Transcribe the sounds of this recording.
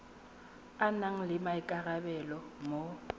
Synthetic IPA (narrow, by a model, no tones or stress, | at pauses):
anaŋ̩lɪmaɪkʼarabɛlɔmo